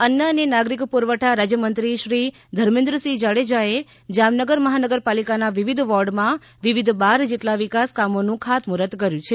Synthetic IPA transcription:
ənjəənenaɡɾikpuɾʋəʈʰaɾad͡ʒjəmənt̪ɾiʃɾi | d̪ʱəɾmẽnd̪ɾəsid͡ʒaɽed͡ʒae | d͡ʒamnəɡəɾməɦanəɡəɾpalikanaʋiʋid̪ʱʋɔɾɖmã | ʋiʋid̪ʱbaɾd͡ʒeʈlaʋikaskamonũkʰat̪muɾət̪kəɾjũt͡ʃʰe

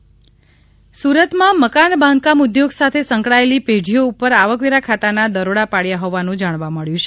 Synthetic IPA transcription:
suɾət̪mãməkanbʱãnd̪̚kamʊd̪joɡsat̪ʰesəŋkɭaeliped͡ʒʱijoupəɾaʋəkʋiɾakʰat̪anad̪əɾoɽapaɭjaɦoʋanũd͡ʒaɽ̃ʋaməɭjũt͡ʃʰe

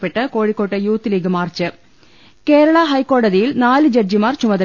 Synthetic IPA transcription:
pːeʈːɐkoːɻikːoːʈːɐjuːt̪ːɨliɡɐmaːrt͡ɕːɨ | keːɾɐɭɐɦɐjkːoːɽɐðijilnaːlɨd͡ʑɐrd͡ʑimaːrt͡ɕumɐðɐ

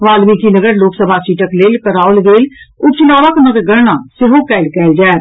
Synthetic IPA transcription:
ʋaːlmĩkinɐɡəɾloːksəbʱat͡ʃiʈəkleːlkəɾaːʊlɡeːlʊp̚t͡ʃɪlaːʋaknəɡɾɡəɾnasɪɦokɛːlkɛːld͡ʒaː

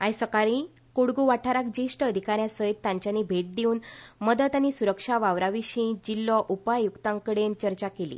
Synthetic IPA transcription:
ajsəkaɾĩ | kuɽɡuʋaʈʰaɾak̚d͡ʑiʂʈəːd̪ʱikaɾjãsəit̪̚t̪ːãɲt͡ɕjanibʱeʈ̚d̪iuːnməd̪ət̪añisuɾəkʂaʋaʋɾaʋiɕĩd͡ʑilːɔʔupajukt̪ãŋkəɽent͡ɕəɾt͡ɕakelḭː

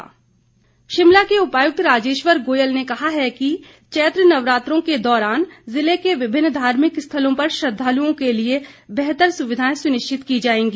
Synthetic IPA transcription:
ʃɪmlakeʊpaːjʊk̚t̪ɾaːd͡ʒeːʃʋəɾɡoːjəlnekɐɦaɦɛki | t͡ʃɛːt̪ɾənɐʋɾaːt̪ɾõked̪ɔːɾaːnzɪlekeʋɪbʱɪnːd̪ʱaːɾmɪkst̪ʰəlõpɐɾʃɾɐd̪ʱːaːluõkeliebɛɦt̪əɾsʊʋɪd̪ʱaːẽsʊnɪʃt͡ʃɪt̪kid͡ʒaːẽːŋɡiː

